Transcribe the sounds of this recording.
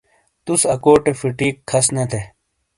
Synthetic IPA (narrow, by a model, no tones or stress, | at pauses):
t̪usɐkoːʈefiʈiːkkʰːɐsnɐt̪ʰe